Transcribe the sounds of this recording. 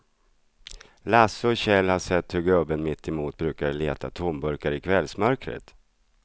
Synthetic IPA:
lasəɔɕɛlhaʂɛt̪ːhɵɾɡɵbːənmɪt̪ːɪmuːt̪̚bɾʉ̟ːkadəleːt̪ʰat̪ʰʊmbɵɾkaɾɪkʰvɛlsmœɾkɾə̰t̪

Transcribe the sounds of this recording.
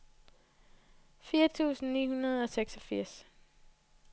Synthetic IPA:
fiːɐt͡sʰṵːsn̩niːhunɐð̞ˠɒ̽seɡ̥sɒ̽fiɐ̰s

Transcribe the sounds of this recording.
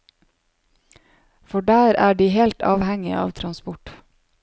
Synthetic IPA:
fɔɖæːɾæːɖiːhɛlt̪ɑ̰ːʋhɛŋɪ̰ʔɑ̰ːʋt̪ʰɾɑnspʊʈ

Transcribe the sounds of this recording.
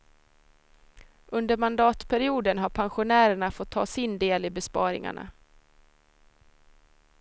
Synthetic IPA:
ʔɵnd̪əɾmand̪ɑːt̪pʰæɾɪuːd̪ənɦaɾpʰanɧʊnæːɾəɳafɔt̪ʰːɑ̰ːsɪnd̪eːlɪbɛspɑ̰ːɾɪ̰ŋa̰ɳa̰

